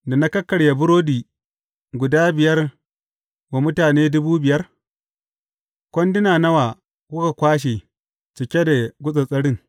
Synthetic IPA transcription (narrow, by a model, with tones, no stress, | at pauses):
da˨na˦kɐ˦kːɐ˨ɽja˨bʊ˦ɾoː˦diː˨ | ɡʷʊ˨daː˦bɪ˨jɐ˦r | wa˨mʊ˦taː˨neː˦dʊ˦buː˦bɪ˨jɐ˦r | kʷɔ˦ndɪ˦na˨nɐ˦waː˨ | kʷʊ˦ka˨kʷaː˦ʃ̬eː˨ | t͡ʃɪ˨kʲe˦da˨ɡʷʊ˦sʼe˨sʼɐ˦ɽɪ˦ŋ